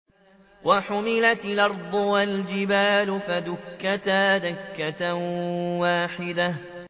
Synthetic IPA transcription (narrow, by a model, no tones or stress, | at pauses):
wʔaħʊmɪlat̪lʔɑɾˤd̪ˤʊwald͡ʒɪbaːlʊfad̪ʊkːat̪aːðakːat̪awaːħɪd̪a